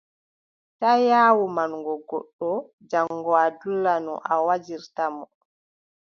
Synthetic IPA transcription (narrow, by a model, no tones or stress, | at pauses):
tajaːwumanɡɔɡɔ̰ɗːɔ | d͡ʒaŋːɡɔadulːanɔ̰ʔawad͡ʒiɾtamɔ